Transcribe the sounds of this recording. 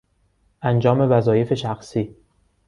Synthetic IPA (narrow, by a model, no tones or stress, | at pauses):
ʔænd͡ʒɒːme̞væzɒːje̞fe̞ʃæxsiː